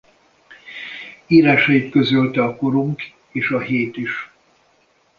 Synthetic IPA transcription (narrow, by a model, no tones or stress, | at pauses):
iːɾaːʃɒjit̪kø̞zølt̪ɛɒko̞ɾuŋk | eːʃɒɦeːt̪iʃ